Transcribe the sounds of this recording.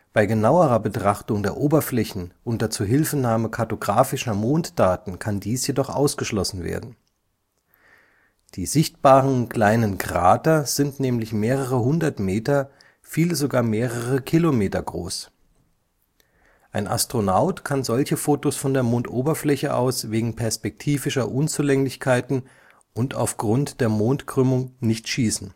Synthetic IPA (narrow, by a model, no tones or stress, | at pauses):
b̥aɪɡənaʊəʁɐbətʁ̥aχtʊŋdeːɐʔoːbɐflɛçn̩ʔʊntdat͡suːɐɦɪlfənaːməkʰaɐtoɡʁaːfɪʃɐmoːntd̥aːtn̩kʰandiːsjedɔχʔa̰ʊsɡ̥əʃlɔsn̩vḛːɐdn̩ | d̥iːzɪçt̚b̥aːʁənkl̥aɪnənɡʁa̰ːtɐz̥ɪntnɛːmlɪçmeːʁəʁəɦʊndɐtmeːtɐ | fiːləzoɡaːɐmeːʁəʁəkʰilomeːtɐɡʁo̰ːs | ʔaɪnʔa̰stʁ̥onaʊtkʰanzɔlçəfoːtosfɔndeːɐmoːntʔoːbɐflɛçəʔa̰ʊsv̥eːɡŋ̩pʰɛɐspɛk̚tʰiːvɪʃɐʔʊnt͡suːlɛŋlɪçkʰaɪtn̩ | ʔʊnta̰ʊfɡ̥ʁʊntd̥eːɐmoːntɡ̥ʁ̥ʏmʊŋnɪçtʃiːsn̩